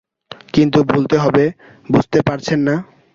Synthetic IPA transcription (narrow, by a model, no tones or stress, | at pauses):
kint̪ubʱult̪eɦɔbe | bud͡ʑʱt̪epaɾt͡ɕʰenːa